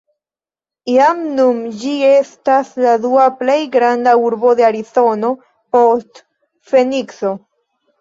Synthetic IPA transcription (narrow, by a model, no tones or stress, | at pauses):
iamnumd͡ʒie̞stasladuaple̞jɡɾandauɾbo̞d̪e̞aɾizo̞no̞ | po̞st | fe̞nikso̞